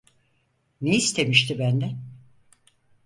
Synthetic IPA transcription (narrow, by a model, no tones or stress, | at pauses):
neist̪ʰe̞miʃt̪ʰibænd̪ɛ